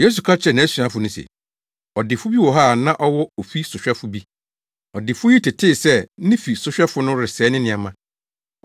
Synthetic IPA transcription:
je˦s̬u˨kʰa˦t͡ɕʰɾɛ˨nã˨æ˦si˨ã˦fʊ˨nʊ̃˦sɛ̰˨ | ɔ˨dɪ˨fʊ˦bi˦wɔ˨ɦaː˦˨nã˦ʔɔ˦wɔ˦o˨fi˦sʊ˨ɕᶣɛ˦fʊ˨bi˦ | ɔ˨dɪ˨fʊ˦ji˦tʰɪ˨tʰɪ˦˨sɛ˦nɪ̃˦fi˨sʊ˨ɕᶣɛ˦fʊ˦nʊ̃˦ɾɪ˨sɛ˨˦nɪ̃˦nɪ̃˨a˨mã˦˨

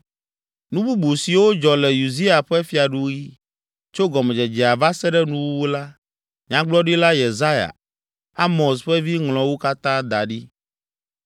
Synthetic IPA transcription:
nũ˦bu˦bu˨si˨wo˦d͡ʒɔ˨lɛ˨ju˨zi˦a˨ɸɛ˦fi˨a˨ɖu˦ɣi˦ | t͡ʃo˦ɡɔ˨mɛ˨d͡ʒɛ˨d͡ʒɛ˨a˨va˦sɛ˦ɖɛ˦nũ˦wu˦wu˦la˦ | ɲã˨ɡ͡blɔ˦ɖi˦la˦je˨za˦ja̰˨ | a˦mɔ̃˨sɸɛ˦vi˦ŋlɔ̃˨wu˦ka˦t̪ã˦d̪a˨ɖi˦

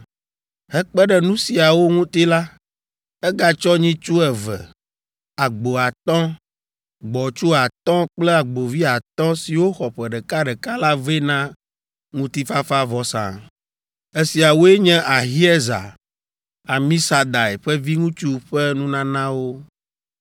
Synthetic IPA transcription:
hɛ˦k͡pɛ˦ɖɛ˨nũ˦si˨a˨wo˦ŋũ˦t̪i˦la˦ | ɛ˦ɡa˦t͡ʃɔ˦ɲĩ˦t͡ʃu˦ɛ˨vɛ̰˨ | a˨ɡ͡bo˨a˨t̪ɔ̃˦ | ɡ͡bɔ˨t͡ʃu˦a˨t̪ɔ̃˦k͡plɛ˦a˨ɡ͡bo˨vi˦a˨t̪ɔ̃˦si˨wo˦xɔ˨ɸɛ˨ɖɛ˨ka˦ɖɛ˨ka˦la˦ve˦nã˦ | ŋũ˦t̪i˦fa˦fa˦vɔ˨sã̰˨ | e˦si˨a˨wo˦e˦ɲɛ̃˦ʔa˨ɦi˦ɛ˦za̰˨ | a˨mĩ˦sa˨d̪a˨ɛ˨ɸɛ˦vi˦ŋũ˦t͡ʃu˦ɸɛ˦nũ˦nã˦nã˦wo˦

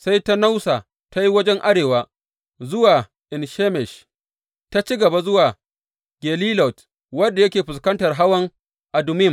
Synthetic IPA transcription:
sa˦jta˦na˦wsa˨ | ta˦ji˦wɐ˦d͡ʒɛ˦ŋʔa˦ɽeː˨waː˦ | zʊ˦waː˨ | ʔɪ˨nʃeː˦mɛ˨ʃ | ta˦t͡ʃi˦ɡɐ˨ba˨zʊ˦waː˨ | ɡʲeː˨liː˦lɔ˨t | wɐ˦dːa˨jɐ˦kʲeː˨ɸʊ˨s̬kɐ˦ntɐ˨rɦa˦wɐ˦ŋ | ʔa˨dʊ˨mɪ˦m

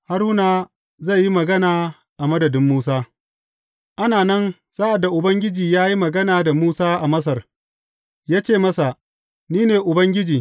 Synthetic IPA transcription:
ha˦ɾuː˦naː˨ | zɐ˦˨jːi˦mɐ˨ɡɐ˦naː˨ | ʔa˨mɐ˦dɐ˨dɪ˦mːuː˦saː˦ | ʔa˦naː˨nɐ˦n | saː˦ʔa˨da˨ʔʊ˨bɐ˦ŋɡʲɪ˦d͡ʒiː˨jaː˦ji˦mɐ˨ɡɐ˦naː˨da˨muː˦saː˦ʔa˨mɐ˦s̬ɐ˨r | jaː˦t͡ʃeː˦˨mɐ˦sa˨ | niː˦neː˨ʔʊ˨bɐ˦ŋɡʲɪ˦d͡ʒiː˨

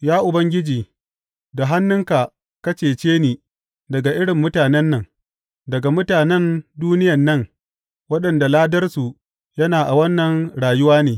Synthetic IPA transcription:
jaː˦ʔʊ˨bɐ˦ŋɡʲɪ˦d͡ʒiː˨ | da˨ɦa˦nːʊ˦ŋka˨ | kɐ˦t͡ʃeː˨t͡ʃeː˦niː˨ | dɐ˨ɡa˨ʔɪ˦ɽɪ˨mːʊ˦taː˨nɛ˦nːɐ˨ŋ | dɐ˨ɡa˨mʊ˦taː˨nɛ˦nduː˦nɪ˦jɐ˨nːɐ˦˨ŋ | wɐ˦ɗɐ˨nda˨laː˦dɐ˦rsu˨ | jɐ˦naː˨ʔa˨wɐ˦nːɐ˨ŋɽaː˨jʊ˦waː˦neː˨

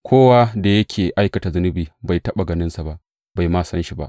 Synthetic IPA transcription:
kʷʰoː˦waː˦da˨jɐ˦kʲʰeː˨ʔa˦jkɐ˨ta˨zʊ˦nɪ˦biː˨ba˨jtɐ˦ɓa˨ɡɐ˨nɪ˦nsa˨ba˦˨ʔ | ba˨jmaː˦sɐ˦nʃi˨ba˦˨ʔ

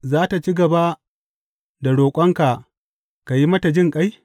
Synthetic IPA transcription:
zaː˦ta˨t͡ʃi˦ɡɐ˨ba˦ | da˨ɽoː˨kʷʼɐ˦ŋka˨ | ka˨ji˦mɐ˦ta˨d͡ʒɪ˦ŋkʼa˦j

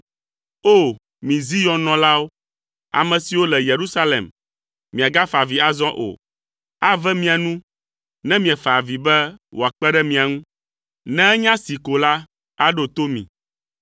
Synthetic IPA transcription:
o˦˨ | mĩ˨zi˦jɔ̃˨nɔ̃˨la˦wo˦ | a̰˨mɛ̃˨si˨wo˦lɛ˨je˨ɾu˦sa˦lḛ˨m | mĩ˨a˨ɡa˦fa˨vi˨a˨zɔ̃˦ʔo̰˨ | a˦vɛ˦mĩ˦a˨nũ˦ | nɛ̃˦mĩ˨a˨fa˨vi˨bɛ˦wʔo˨a˨k͡pɛ˦ɖɛ˦mĩ˨a˨ŋũ˦ | nɛ̃˦ɛ˦ɲã˦si˨ko˨la˦ | a˦ɖo˨t̪o˦mḭ̃˨

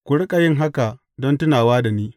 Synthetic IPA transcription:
kʷʊ˨ɽɪ˦kʼa˨jɪ˦ŋɦa˦ka˨ | dɔ˦ntʊ˦naː˨waː˦da˨niː˦

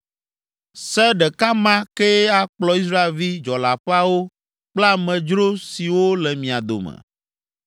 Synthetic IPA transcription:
sɛ˦ɖɛ˨ka˦mã˦ke˦a˦˨k͡plɔ˨i˦s̬ɾa˦e˨lvi˦d͡ʒɔ˨la˨ɸɛ˦a˦wo˦ | k͡pla˦mɛ̃˨d͡ʒɾo˦si˨wo˦lɛ˨mĩ˨a˨d̪o̰˨mɛ̰̃˨

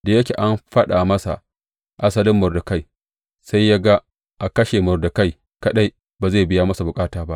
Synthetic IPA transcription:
da˨jɐ˦kʲe˨ʔa˦mɸɐ˦ɗa˨mɐ˦sa̰˨ | ʔa˦sɐ˦lɪ˦mːʊ˨rdʊ˨ka˦j | sa˦jːa˦ɡa˦ | ʔa˨kɐ˦ʃe˨mʊ˨rdʊ˨ka˦˨j | kɐ˦ɗa˦j | baː˨ze˦˨bɪ˦ja˦mɐ˦sa˨bʊ˨kʼaː˦taː˨ba˦ʔ

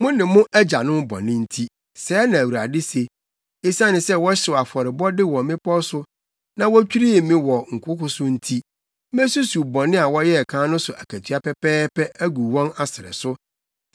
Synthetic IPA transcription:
mʊ̃˦nɪ̃˨mʊ̃˦ʔæ˦d͡ʑa˨nʊ̃˦bɔ̰˨nɪ̃˦n̩˦tʰi˦ | sɛː˨˦nã˨æ˨wu˨ɾa˨dɪ˦se˨ | e˦sã˦nɪ̃˨sɛ˦wɔ˦ɕɪ˨wa˨fɔ˨ɾɪ˨bɔ˦dɪ˦wɔ˨mɪ̃˦pʰɔ˦sʊ˦ | nã˨wɔ˦t͡ɕᶣi˦ɾi˦˨mɪ̃˦wɔ˨ŋ̩˨kʷʰʊ˦kʊ˦sʊ˦n̩˦tʰi˦ | m˦e˦su˦su˨bɔ̃˨nɪ̃˦a˨wɔ˦jɛ˦˨kʰãː˦nʊ̃˦sʊ˨ʔæ˨kʰæ˨tʰɥa˦pɛ˦pɛː˦pɛ˦ʔæ˦ɡu˨wɔ̃˦na˨sɪ˨ɾɛ̰˨sʊ˦

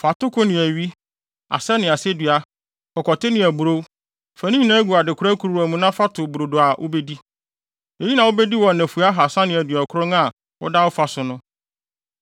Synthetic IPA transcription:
fa˨tʊ˦kʰʊ˦nɪ̃˨æ˨ɥi˦ | a̰˨sɛ˦nɪ̃˨a˨se˦dɥa˨ | kʰɔ˨kʰɔ˨tʰɪ˦nɪ̃˨æ˨bu˨ɾo˦ | fæ̃˨nĩ˦ɲĩ˦˨nã˦ɡu˨a˨dɪ˨kʰʊ˦ɾæ˦kʰu˨ɾu˨æ˨mũ˦nã˦fa˦tʰʊ˨bu˨ɾo˨dʊ˨a˨ʔo̰˦be˦di˦ | e˨˦ji˦nã˨wo˦bɛ˦di˦wɔ˨nɛ̃˨fu˨a˦ɦa˨sã˦nɪ̃˨æ˨dɥa˨kʰʊ˦ɾʊ̃˦ŋã˨ | ɔ̰˦da˦wɔ˦fa˨sʊ˨nʊ̃˦

